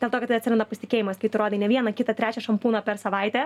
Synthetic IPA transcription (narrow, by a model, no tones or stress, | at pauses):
d̪ʲelˠt̪oːkɐt̪ːɪɐt̪ʲsʲɾʲɛnd̪ɐpɐsʲɪt̪ʲɪkʲeːjɪmɐskɐɪpt̪ɪɾoːd̪ʲenʲɛʋʲiɛnɐkʲɪt̪ɐt̪ʲɾʲæːt͡ʃʲɛʃɐmpuːnɐpʲɛɾsɐʋɐɪt̪ʲɛː